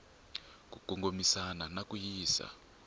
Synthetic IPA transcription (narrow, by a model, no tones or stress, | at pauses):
k̬ʼukuŋɡomisananakujiːsa̰